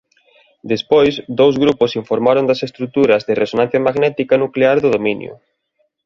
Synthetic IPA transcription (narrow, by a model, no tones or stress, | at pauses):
d̪espojsd̪owzɣɾupʊsiɱfoɾmaɾond̪ɐsest̪ɾut̪uɾɐzðɪrʔesonãn̟θjɐmaɣnɛt̪ikɐnukleaɾðʊðominjʊ̰